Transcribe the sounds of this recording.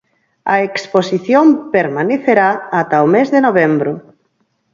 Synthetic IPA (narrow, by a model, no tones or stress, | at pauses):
aeksposiθjompeɾmaneθeɾaːt̪aomezðenoβembɾo